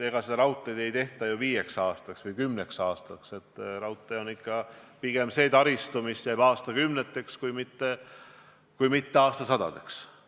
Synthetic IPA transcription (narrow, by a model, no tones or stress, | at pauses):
e̞ɡ̥ɑsed̪ɑɾɑwt̪ːˑed̪̥e̞jt̪e̞ht̪ɑjuviːje̞ksɑːst̪ɑksvɯjkymne̞ksɑːst̪ɑkse̞t̪ːˑɾɑwt̪ːˑeo̞nikːɑpiɡ̥e̞mse̞ːt̪ɑɾist̪umisjæjb̥ɑːst̪ɑkymnet̪ːˑe̞kskujmit̪ːe | kujmit̪ːe̞ɑːst̪ɑsɑd̪̥ɑ̰d̪̥e̞ks